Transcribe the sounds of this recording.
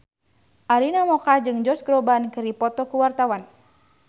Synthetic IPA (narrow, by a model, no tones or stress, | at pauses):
ʔalinamɔkad͡ʒɨŋd͡ʒɔsɡɾɔbankɨɾipɔt̪ɔkuwart̪awan